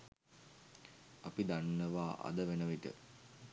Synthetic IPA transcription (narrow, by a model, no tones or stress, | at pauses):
apid̪anːəʋaːʔa̰d̪əʋenəʋiʈə̰